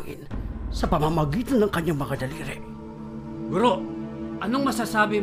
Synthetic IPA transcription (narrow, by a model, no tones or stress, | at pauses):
ŋɪ̰nsɐpɐmamɐɡiːt̪anːɐŋkɐɲaŋmɐŋad̪ɐliɾɛʔ | ɡʊɾoʔʔɐnoŋmɐsasaːbɪ